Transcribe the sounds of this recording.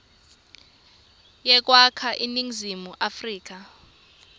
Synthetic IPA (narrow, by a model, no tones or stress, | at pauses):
jɛk̬ʼwakʰaʔiniŋzimuʔafriːk̬a